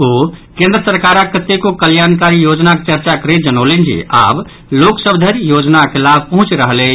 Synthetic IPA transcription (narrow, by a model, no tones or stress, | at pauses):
okẽnd̪ɾəsəɾkaɾakːət̪ekokəljankaɾijod͡ʒnaket͡ʃəɾt͡ʃakəɾet̪d͡ʒənolend͡ʒḭa̰b | loksəbd̪ʱəɾjod͡ʒnakelab̚ʱpəɦũt͡ʃɾəɦle